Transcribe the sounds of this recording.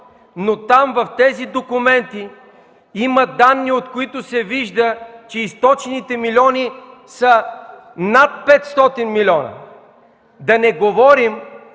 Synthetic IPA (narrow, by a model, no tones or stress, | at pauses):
not̪amvɐft̪ɛzid̪okʊmɛnt̪i | iməd̪anːiot̪koit̪ʊsɛviʒd̪ət͡ʃɛist̪ɔt͡ʃɛnit̪ɛmilʲɔnisə | nat̪̚pɛt̪st̪ɔt̪inmilʲɔnɐ̰ | d̪ɐnɛɡovɔɾim